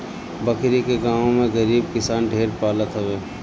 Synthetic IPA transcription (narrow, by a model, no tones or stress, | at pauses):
bəkɾikeɡaːõmẽɡəɾiːb̚kɪsaːnɖʱeːɾpaːlət̪ɦɛʋeː